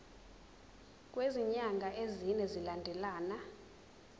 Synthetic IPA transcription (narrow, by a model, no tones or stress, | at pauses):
k̬ʼweziɲaŋɡʱaʔezinɛzilandʱɛlaːna